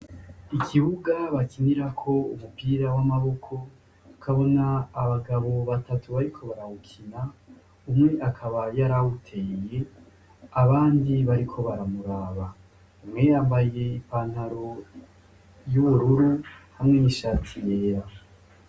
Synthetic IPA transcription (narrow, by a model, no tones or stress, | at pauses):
ikʰiβuɡaβakiniɾakʰo̞umupiːɾawamaβo̞kʰo̞ | kʰaβo̞naːβaɡaβo̞βatʰatʰuβaɾikʰo̞βaɾahukʰina | umŋe̞ʔakʰaβajaɾawutʰe̞ije̞ | aβaːndiβaɾikʰo̞βaɾamuɾaːβa | umŋe̞jaːmbaje̞ipaːn̥haɾo̞ | juβuɾuɾuhamŋe̞niʃaːtʰije̞ɾa